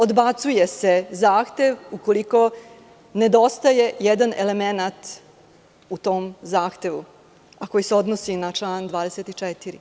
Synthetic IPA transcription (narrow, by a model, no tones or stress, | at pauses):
o̞d̪bat̪suje̞se̞zaːxt̪e̞ʋuko̞liko̞ | ne̞d̪o̞st̪aje̞jɛd̪anele̞me̞nat̪ | ut̪o̞ːmzaːxt̪e̞ʋṵ | ako̞jiseo̞d̪nosinat͡ʃlaːnd̪ʋaːd̪eset̪it͡ʂet̪iɾḭ